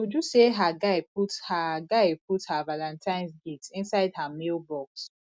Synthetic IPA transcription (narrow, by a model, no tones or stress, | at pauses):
od͡ʒuseɦaɡaɪputhaɡaɪpʰuthavalãntʰãɪ̃nsɡitĩnsaɪd̚hamelbɔks